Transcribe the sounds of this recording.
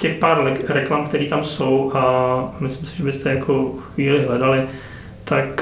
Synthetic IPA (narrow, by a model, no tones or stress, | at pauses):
cɛxpaːɾlɾɛklamkt̪ɛɾiːt̪amsowʔamɪslɪmsɪ̥ʒɛbɪst̪ʰɛjakʰo̞xviːlɪɦlɛdalɪ | t̪ak